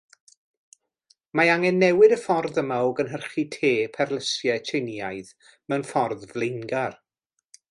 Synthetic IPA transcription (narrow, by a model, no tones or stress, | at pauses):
maaŋɛnːɛwɪdəfɔrðəmaɔɡənɦərχitʰeːpʰɛrlˠəsjɛtʰɪnjajð | mənfɔrðvlˠɪŋɡar